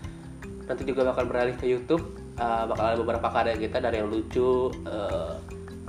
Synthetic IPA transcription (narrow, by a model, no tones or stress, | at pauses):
nant̪id͡ʒuɡabakanbəɾalɪhkəjut̪ʊp̚ | əbakanalabəbəɾapakadaɡit̪adaɾijaŋlut͡ʃuə